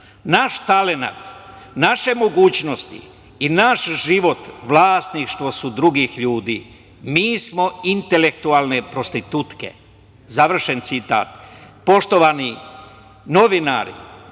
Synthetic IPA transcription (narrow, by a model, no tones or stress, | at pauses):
naʃt̪alena̰t̪naʃe̞mo̞ɡuːt͡ɕno̞st̪ḭ | inaʃʒiʋo̞t̪ʋlˠaːst̪nikʃt̪ʋo̞sud̪ɾuɡiːxʎuːd̪iː | miːsmo̞int̪ele̞kt̪uaːlˠne̞pɾost̪it̪ut̪ke̞̰ | zaʋr̩ʃe̞nt̪sit̪a̰ːt̪po̞ʃt̪o̞ʋani | no̞ʋina̰ːɾḭ